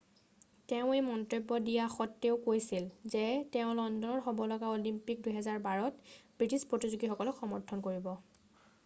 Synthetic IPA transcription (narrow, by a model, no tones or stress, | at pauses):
teʊ̃ejmɔntɹibːɔdijaxɔtːeʊkojsilzɛtɛʊ̃lɔndɔnɔɹxɔbɔlɔɡaolimpik̚dujɦɛzaɹbaɹɔtb̥ɹitispɹotizuɡixɔkɔlɔkxɔmɔɹtʰɔnkoɹibɔ